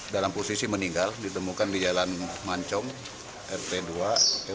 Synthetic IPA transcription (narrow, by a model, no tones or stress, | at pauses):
dalamposisiməniŋɡaldit̪əmukandid͡ʒalanmaɲt͡ʃɔŋ | ʔɛrt̪edua